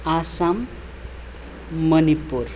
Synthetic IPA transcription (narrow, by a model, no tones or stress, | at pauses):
asam | ʌnipur